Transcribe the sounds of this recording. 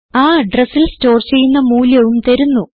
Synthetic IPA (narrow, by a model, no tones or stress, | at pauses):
aːɖresilsto̞ːrt͡ɕe̞jːunːɐmuːljɐʋumt̪ɐɾunːu